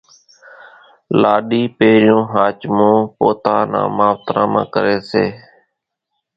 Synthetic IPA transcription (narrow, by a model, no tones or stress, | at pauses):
laːɗiːpeːɾɪjõːɦaːt͡ʃmõːpoːt̪aːnã̰ːmaːʋt̪ɾã̰ːmã̰ːkəɾeːsḛː